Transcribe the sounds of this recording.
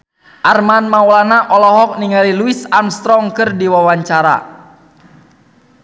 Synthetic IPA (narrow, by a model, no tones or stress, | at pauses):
ʔarmanmawlanaʔɔlɔɦɔk̚niŋaliluisamst̪ɾɔŋkɨrdiwawaɲt͡ʃaɾa̰